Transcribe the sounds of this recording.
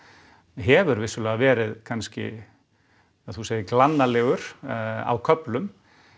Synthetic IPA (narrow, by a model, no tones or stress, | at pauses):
ɦɛːvʏɾvɪsʏlɛːɣavɛːɾɪðkʰanscɪ̰ | θuseːjɪklanːalɛːɣʏɾ̥a̰wkʰœplʏm